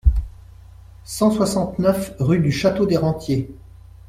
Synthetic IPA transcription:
sɑ̃swasɑ̃t̪nœfʁyd̪yʃat̪od̪eʁɑ̃t̪je

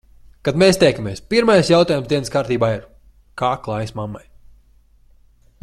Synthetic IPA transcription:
kad̪meːst̪ʲɛjkamʲeɛspiɾmajsjawt̪aːjumzd̪iɛnəskaːɾt̪iːbaːiɾ | kaːklˠajsmamːa̰j

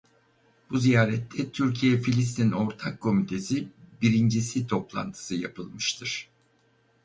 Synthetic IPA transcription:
b̥uzijaːɾɛt̪ʰːɛt̪ʰyɾcʰijɛfilʲist̪ʰino̞ɾt̪ʰakʰːo̞mit̪ʰe̞sibiɾind͡ʒisit̪ʰo̞plˠa̰nt̪ʰɯ̥sɯja̰pʰɯlˠmɯʃt̪ʰɯɾ̥

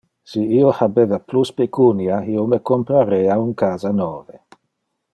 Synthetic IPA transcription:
siiohabeːvapluspekunjaiːomekompɾaɾeːauŋkaːzanɔːve

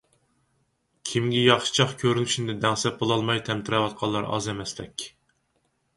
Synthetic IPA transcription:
kʲʰimɡʲɛjɑχʃi̥t͡ʃʰɑχkʲʰøɾyŋt͡ʃʰind̪ɛd̪ɛŋsɛp̚bolˠɑlˠmɑjt̪ʰɛmt̪ʰɪɾɛwɑt̪̚qʰɑlˠːɑɾɑ̰zɛmɛslɛ̰kʲ

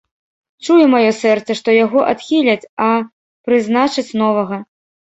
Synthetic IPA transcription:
t͡ʂujɛmajɔsɛrt̪sɐʂt̪ɔjaɣɔʔat̪xʲilʲɐt͡sʲɐ | pɾɨznat͡ʂɨt͡sʲnɔvɐɣɐ

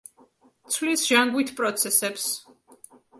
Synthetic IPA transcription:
t̪sʰvlisʒ̥aŋɡwit̪ʰpʼɾɔt̪sʰɛsɛps

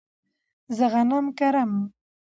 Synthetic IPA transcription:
zəɣanamkaɾam

